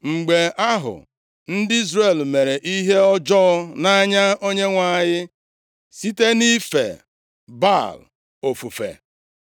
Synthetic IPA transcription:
ŋ͡m̩˨ɡ͡be˨ʔa˦ɦʊ̰˨ | n̩˦dɪ˦i˦zɾe˨lme˨ɾe˨ʔi˦ɦe˦ɔ˦d͡ʒɔ˦na˦ɲa˦o˦ɲe˦ŋʷa˦˨ɲɪ˦ | si˦te˦ni˦fḛ˨ | ba̰˦˨l | o˨fu˨fḛ˨

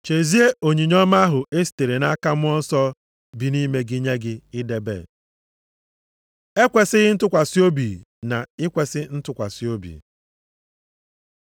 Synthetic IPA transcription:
t͡ʃe˨zi˦e˦o˨ɲi˨ɲɔ˦ma˦a˦ɦʊ˨ʔe˦si̥˨te˨ɾe˨na˦ka˦mʊ˦ɔ˦n̩˦sɔ˦ | bi˨ni˦me˦ɡɪ˦ɲe˦ɡɪ˦ɪ˦de˨bḛ˦˨ | e˦kʷe˨sɪ˦ɣɪ˦n̩˦tʊ˦kʷa˨si˦o˦bi˨ | na˨ɪ˦kʷe˨sɪ˦n̩˦tʊ˦kʷa˨si˦o˦bḭ˨

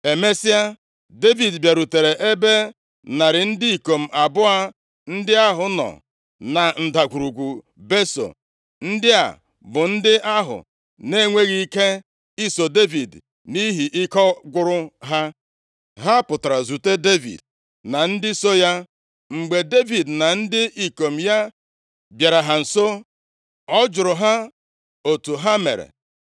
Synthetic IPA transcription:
e˨me˦si˦a˦ | de˦vi˨dbja˨ɾu˨te˨ɾe˨ʔe˦be˦ | na˨ɾɪ˨n̩˦dɪ˦i˨ko˨m̩˨a˨bʊ˦a˦ | n̩˦dɪ˦a˦ɦʊ˨nɔ̰˨ | na˨n̩˨da˨kʷu˨ɾu˨ɡʷu˨ | be˦so̰˨ | n̩˦dɪ˦a̰˨ | bʊ˨n̩˦dɪ˦ʔa˦ɦʊ̰˨ | ne˦˨ŋʷe˦ɣi˦i˦ke˦ | i˦so˨de˦vi˨d | ni˦ɦi˨ʔɪ˦kɔ˦ɡʷʊ˦ɾʊ˦ɦa˦ | ɦa˦pʊ˨ta˨ɾa˨zu˨te˦de˦vḭ˨d | na˨n̩˦dɪ˦so˦ja˦ | ŋ͡m̩˨ɡ͡be˨de˦vi˨dna˨n̩˦dɪ˦ʔi˨ko˨m̩˨ja˦ | bja˨ɾa˨ɦa˨n̩˨so˦ | ɔ˦d͡ʒʊ˨ɾʊ˨ɦa˦ | o˨tu˨ɦa˦mḛ˨ɾḛ˨

